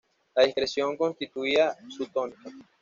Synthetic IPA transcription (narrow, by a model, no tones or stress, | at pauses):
laðiskɾesjo̞ŋko̞nst̪it̪uiasut̪onika